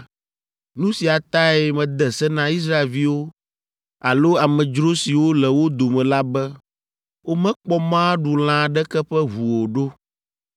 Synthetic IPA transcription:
nũ˦si˨a˨t̪a˦ɛ˨mɛ̃˨d̪ɛ˨sɛ˦nã˦i˦s̬ɾa˦e˨lvi˦wo˦ | a˨lo˦a˨mɛ̃˨d͡ʒɾo˦si˨wo˦lɛ˨wo˦d̪o˨mɛ̃˨la˦bɛ˦ | wo˦mɛ̃˦k͡pɔ˦mã˦ɖu˨l̃ã˦˨ɖɛ˦kɛ˦ɸɛ˦βu˨wo˨ɖo˦

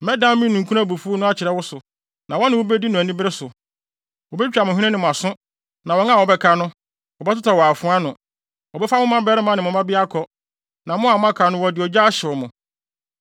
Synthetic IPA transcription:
mɛ˦dã˦m˦mĩ˦nːũ˨ŋ˨kʰu˦ã˦˨bu˨fu˦o˦nʊ̃˦a˦˨t͡ɕʰɪ˨ɾɛ˦wʊ˦sʊ˨ | nã˨wɔ˦nɪ̃˨wo˦be˦di˦nʊ̃˨æ˨nĩ˦bɪ˦ɾɪ˦sʊ˨ | wɔ˨bɛ˦t͡ɕᶣa˨mʊ̃˨hᶣĩ˦ɪ̃˦nɪ̃˨mʊ̃˨a˨sʊ̃˦ | nã˨wɔ˨ŋa˦˨wɔ˨bɛ˦kʰa˨˦nʊ̃˦ | wɔ˨bɛ˦tʊ˦tʰɔ˨wɔ˨a˨fʊ̃˦a˦nʊ̃˨ | wɔ˨bɛ˦fa˦mʊ̃˦mã˦bɛ˦ɾɪ˦mã˦nɪ̃˨mʊ̃˨mã˦bɪ˦a˦kʰɔ˨ | nã˨mʊ̃˦a˨m˦ã˦kʰa˨nʊ̃˦wɔ˨dɪ˨ɔ˨d͡ʑa˦ɕɪ˨ɔ˨mʊ̃˨

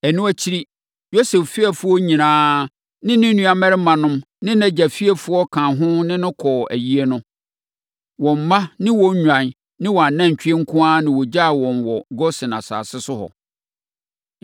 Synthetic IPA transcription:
æ˨nũ˦æ˦t͡ɕʰi˦ɾi˦ | jo˦sɛ˨fːɪ˦ɛ˨fʊ˦ɔ˦ɲĩ˨nãː˦ | nɪ̃˦nɪ̃˦nũ˦a˨mɛ˦ɾɪ˦mã˨nʊ̃˦m | nɪ̃˦næ̃˨d͡ʑæ˨fi˦ɛ˨fʊ˦ɔ˦kʰãː˨ɦʊ̃˦nɪ̃˦nʊ̃˦kʰɔː˨æ̰˨ji˦e˦nʊ̃˦ | wɔ̃˨m̩˨mã˦nɪ̃˦wɔ̃˦ɲ˦ɲᶣã˨n | nɪ̃˦wɔ˨a˨nã˦˨ɲ˨t͡ɕᶣi˦e˦ŋ̩˦kʰʊ̃˦aː˦nɪ̃˨wɔ˨d͡ʑa˦˨wɔ̃˨nwɔ˨ɡɔ˦sɪ̃˨na̰˨sa̰ː˨sɪ˦sʊ˦hɔ̰˨

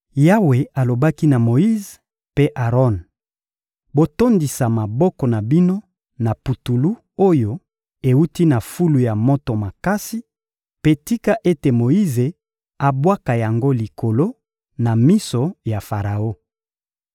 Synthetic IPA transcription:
ja˦we˨a˨lo˨ba˦ki˦na˨mo˨i˦z | pe˦ʔa˨ʁɔ˦n | bo˨to˦ndi˨sa˨ma˨bɔ˦kɔ˨na˨bi˦no˦ | na˨pu˨tu˨lu˦ | o˦jo˨ | e˨u˦ti˦na˨fu˦lu˨ja˨mo˦to˨ma˨ka˦si˦ | pe˦ti˦ka˦ʔe˦te˨mo˨i˦ze˨ | a˨bwa˦ka˨ja˨ŋɡo˦li˨kʰo˨lo˦ | na˨mi˦so˨ja˨fa˨ʁa˨o˦

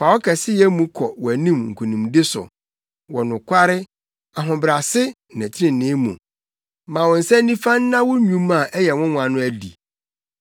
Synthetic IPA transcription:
fa˨wɔ˦kʰɛ˨sɪ˦jɛ˦mũ˦kʰɔ˨wɔ˨æ˨nĩ˦˨mŋ̩˨kʰu˨nũ˨mdɪ˦sʊ̰˨ | wɔ˨nʊ̃˨kʰʷa˦ɾɪ˦ | a˨ɦʊ̃˨bɾa˨sɪ˦˨nã˨t͡ɕʰɪ˦ɾɪ̃˨nɪ̃˦mṵ̃˨ | mã˨wɔ̃˨n̩˨sɛ˦nĩ˦fã˦nː˦ã˦wʊ˦ɲũ˦mã˨ʔɛ˦jɛ˨wʊ̃˦mʊ̃˨a˨nʊ̃˦æ˨dḭ˨

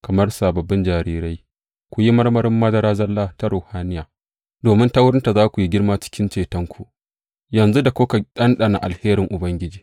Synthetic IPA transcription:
kɐ˨mɐ˦rsaː˨bɐ˨bːɪ˦nd͡ʒaː˨ɾiː˦ɾa˦j | kʷu˨ji˦mɐ˦rmɐ˦ɾɪ˦mːɐ˦dɐ˦ɾaː˦zɐ˦lːaː˦ta˦ɾoː˨haː˦nɪ˦jaː˨ | doː˨mɪ˦nta˦wʊ˦ɾɪ˦nta˨zaː˦kʷu˨ji˦ɡʲɪ˦rmaː˦t͡ʃɪ̥˦kʲɪ˦nt͡ʃeː˨tɐ˦ŋkʷʰu˨ | jɐ˨nzu˦da˨kʷoː˦ka˨ɗɐ˦nɗa˨na˨ʔa̰˨lheː˦ɾɪ˨ŋʔʊ˨bɐ˦ŋɡʲɪ˦d͡ʒiː˨

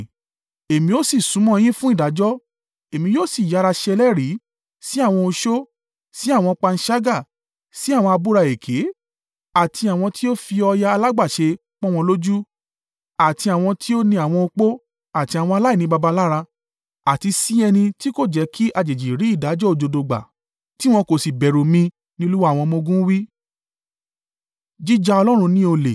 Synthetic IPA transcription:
e˨mĩ˧o˦si˦˨sũ˨˦mɔ̃˦˧j̃ĩ˦fũ˦i˦˨da˨˦d͡ʒɔ˦ | e˨mĩ˧joː˦˨si˦˨ja˨˦˧ɾa˧ʃɛ˧lɛ˦ɾi˨˦ | si˦a˦˨w̃ɔ̃˧o˧ʃo˦ | si˨˦a˦˨w̃ɔ̃˧k͡pa˧n̩˦ʃa˦ɡa˦˨ | si˨˦a˦˨w̃ɔ̃˧a˧bu˦ɾa˧˨e˨kʰe˨˦ | a˦˨tʰi˧a˨w̃ɔ̃˧ti˦o˦fi˧ɔ˧ja˧a˧la˦ɡ͡ba˦˨ʃe˧ | k͡pɔ̃˦w̃ɔ̃˧lo˦d͡ʒu˦ | a˦˨ti˧a˨w̃ɔ̃˧ti˦o˦nĩ˧a˨w̃ɔ̃˧o˧k͡po˦ | a˦˨ti˧a˨w̃ɔ̃˧a˧la˦i˦˨nĩ˦ba˧ba˧la˦ɾa˧ | a˨ti˧si˦ɛ˧nĩ˧ti˦ko˦˨d͡ʒɛ˨˧˦ki˦ʔa˧d͡ʒe˨d͡ʒi˨ɾi˨˦i˦˨da˨˦d͡ʒɔ˦o˧˨d͡ʒo˧do˧ɡ͡ba̰˨ | ti˦w̃ɔ̃˧ko˨si˨bɛ˨ɾo˨mĩ˧ | nĩ˦lu˦wa˦˨w̃ɔ̃˧mõ˧ɡũ˦wi˦ | d͡ʒi˦d͡ʒa˧ɔ˧lɔ˦ɾ̃ũ˧nĩ˦o˧lḛ˨

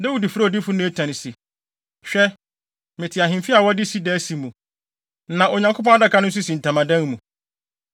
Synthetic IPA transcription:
da˦wi˨di˨fu˦ɾa˦˨di˦fʊ˦nʊ̃˦e˦tʰã˨nɪ̃˨si˨ | ɕᶣɛ˦ | mɪ̃˨tʰɪ˨a˨ɦɪ̃˨mfi˦a˨wɔ˦dɪ˦si˦dɛ˦si˨mũ˨ | nã˨ʔo˨ɲã˨ŋkʰo˦p̬ɔ̃˦a˦da˦kʰa˦nʊ̃˦n̩˦s̬ʊ˦sĩ˨n̩˨tʰã˨mã˨dã˦n˦mũ˨

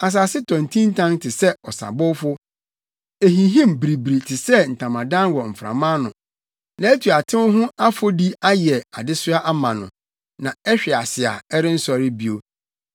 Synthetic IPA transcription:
a˨s̬aː˨sɪ˦tʰɔ̃˨n˨tʰĩ˦n̩˦tʰã˦ŋtʰɪ˨sɛ˦ɔ˨sa̰˨bʊ˦fʊ˦ | e˨ɦĩ˨ɦĩ˦˨mbɾi˨bɾi˨tʰɪ˨sɛ˦n̩˨tʰã˨mã˨dã˦nwɔ˨m̩˨fɾã̰˨mãː˦nʊ̃˨ | nã˨e˦tʰu˨a˨tʰɪ̃˦mʊ˦ɦʊ̃˦a˦fo˦di˦a˦jɛ˨a˨dɪ˦sʊ˦a˦ʔa˦mã˨nʊ̃˨ | nã˨ɛ˦ɕᶣɛ˨a˨sɪ˨a̰˨ɛ˦ɾɪ˦n̩˦sɔ˨ɾɪ˦bi˨o˨

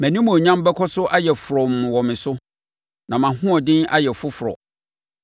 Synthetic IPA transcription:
mæ̃˨nĩ˦mũ˨ɲã˦m˦bɛ˦kʰɔ˦sʊ˦ʔa˦jɛ˨fʊ˨ɾɔ˨m˨ʊ̃˨wɔ˨mɪ̃˨sʊ˦ | nã˨mã˨hʊ̃˦ɔ˨dɪ̃˦na̰˦jɛ˨fʊ˦fʊ˨ɾɔ̰˨

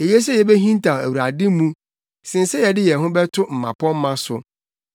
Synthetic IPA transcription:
e˨je˦s̬ɛ˦jɛ˨be˦ɦĩ˦n˦tʰa˨æ˨wu˨ɾa˨dɪ̃˦mũ˦ | sɪ̃˨n˦sɛ˦jɛ˨dɪ˦jɛ˨ɦʊ̃˦bɛ˦tʰʊ˦m̩˨mã̰˨pʰɔ̃˦m̩˦mã˦sʊ̰˨

